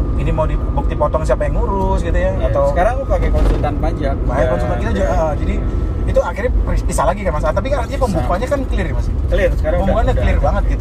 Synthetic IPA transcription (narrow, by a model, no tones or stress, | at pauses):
inimawdibuk̚t̪ipɔt̪ɔŋsiapajaŋːuɾʊsɡit̪ujaat̪asəkaɾaŋpaɡakɔnt̪ɔdanpad͡ʒak̚baɛɔntɔakit̪ad͡ʒuad͡ʒadiːt̪uakɪrɲapripisalaɡikanmasalat̪ːap̬ikaat̪iɲapəmbukuaɲakankəlɪrmasiəlɪrsəkaaŋəbuŋandakəlɪrbaŋət̪̚ɡit̪u